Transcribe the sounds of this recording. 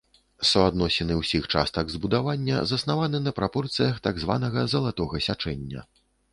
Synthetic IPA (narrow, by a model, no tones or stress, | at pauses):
sɐad̪nɔsʲinɨwsʲixt͡ʂa̰st̪ɐɡzbud̪avanʲːɐ̰zɐsnavanɨnɐpɾapɔrt̪sɨjɐxt̪aɡzva̰nɐɣɐzɐlˠat̪ɔɣɐsʲat͡ʂɛnʲːɐ̰